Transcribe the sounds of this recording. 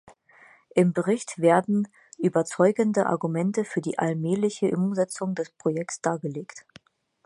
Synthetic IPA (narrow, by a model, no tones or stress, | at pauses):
ʔɪmbəʁɪçtv̥eːɐdn̩ | ʔyːbɐt͡sɔʏɡəndəʔa̰ɐɡumɛntəfyːɐdḭːʔalmɛːlɪçəʔemuːmzɛt͡sʊŋdɛspʁ̥ojɛk̚tsd̥aːɐɡəleːkt